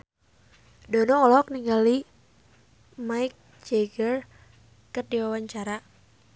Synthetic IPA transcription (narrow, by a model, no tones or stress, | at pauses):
dɔnɔːlɔk̚niŋɡali | maik̚ | d͡ʒɛɡər | kərdiwawaɲt͡ʃaɾa